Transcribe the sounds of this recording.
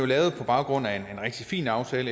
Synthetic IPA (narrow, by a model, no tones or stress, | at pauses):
jolɛːʊð̩ˠpʰɒ̽b̥ɑ̈ʊɡ̥ʁɔ̽n̰æe̝nenʁeɡ̥d̥ifḭːnɑ̈ʊt͡sʰɛːlə